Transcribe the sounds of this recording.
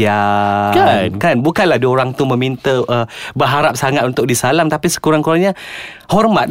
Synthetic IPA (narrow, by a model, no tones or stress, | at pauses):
akankanbukanladioɾaŋt̪umə̃mint̪əʔəbəɦaɾap̚saŋat̪unt̪ʊk̚disalamt̪apisə̥kuɾaŋkuɾaŋɲa | hɔrmat̪̚